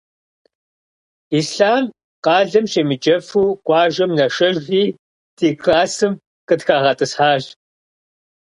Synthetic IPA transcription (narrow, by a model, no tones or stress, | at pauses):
iːsɬaːm | qɑːɮɐmɕeːmɨd͡ʒɐfuːkʷʼɑːʒɐmnɐʂɐʒɣʷiː | tʰiːkʰlaːsɨm | qədxaːʁɐtʼɨsħaːʒ